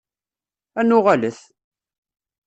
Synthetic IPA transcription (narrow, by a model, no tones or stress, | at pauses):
ænʊʁaləθ